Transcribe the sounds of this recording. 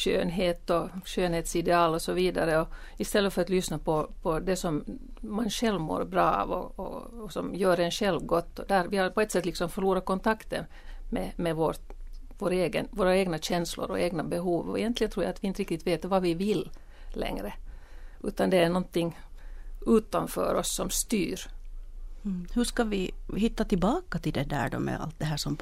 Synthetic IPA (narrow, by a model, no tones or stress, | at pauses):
ʃø̰ːnɦeːt̪ɔʃøːnheːt̪sɪd̪ɛɑːlɔsɔʋiːd̪aɾəɔ | ɪst̪ɛlːəfœɾat̪lʏsnapʰɔpʰɔd̪ɛsɔmmanʂɛlʋmo̰ːɾbɾɑːɑ̰ʋɔ̰ɔ̰sɔmjøːɾɛnʂɛlʋɡɔt̪ːɔd̪æɾʋɪhɑɾpɔɛt̪sɛt̪lɪksɔmfœɾɭuːɾakɔnt̪ʰɑkt̪ən | mɛmɛʋoɾvoːɾeːɡə̰nvoːɾaeːɡnaɕɛnslʊ̰ɾɔ̰ʔeːɡnabɛɦuːvɔ̰ɛ̰jɛnt̪lɪɡənt̪ɾuːja̰at̪ʋɪɪnt̪ɾɪkt̪ɪt̪veːt̪vɑvɪvɪlː | lɛ̰ŋɾə | ʔʉ̰ːt̪and̪ɛæɳɔnt̪ɪŋː | ʉːt̪anfœ̰ːɾɔsːɔmst̪yːɾ | hɵʂkavɪɦɪt̪ːat̪ɪlbɑːkat̪ɪld̪ɛd̪æ̰ːɖɔ̰mɛ̰a̰lt̪̚d̪ɛɦæːʂɔm